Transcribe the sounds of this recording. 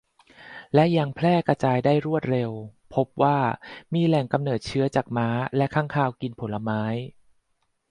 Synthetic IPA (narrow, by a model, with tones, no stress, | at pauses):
lɛ˦˥ʔja˧ŋpʰlɛː˥˩kɾa˧t͡ɕaː˧jdaː˥˩jɾu˥˩ət̪̚ɾe˧wpʰo˦˥p̚waː˥˩miː˧lɛ˨˩ŋka˧mnɤː˨˩t̪̚t͡ɕʰɯ˦˥ɐt͡ɕaː˨˩k̚maː˦˥lɛ˦˥ʔkʰaː˥˩ŋkʰaː˥˩wki˧npʰo˩˦la˧maː˦˥j